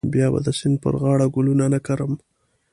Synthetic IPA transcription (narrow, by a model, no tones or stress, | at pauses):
bjɑba̰d̪əsɪnd̪̚pə̰ɾɣɑɽaɡʊlunanakaɾəm